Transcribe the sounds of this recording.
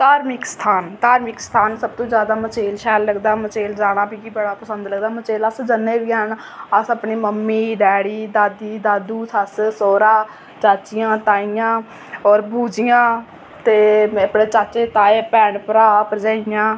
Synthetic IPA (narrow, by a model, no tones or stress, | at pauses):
t̪aːɾmɪkst̪ʰaːnt̪aːɾmɪkst̪ʰaːnsəb̚t̪õːzjaːd̪aːmət͡ʃeːlʃɛːlːəɡd̪aːmət͡ʃeːld͡ʒaːɽ̃ãːbiːkiːbəɽaːpəsənd̪ləɡd̪aːmət͡ʃeːləsd͡ʒənːeːʋiːaːɳ | əsəpɳiːməmːiːɖɛːɽiːd̪aːd̪iːd̪aːd̪uːt̪ʰəssoːɾaː | t͡ʃaːt͡ʃɪjãːt̪aːijãː | ɔːɾbʱuːd͡ʒɪjãː | t̪eːpɽeːt͡ʃaːt͡ʃeːt̪aːeːpɛːɳpəɾaːpəɾd͡ʒaːɪjãː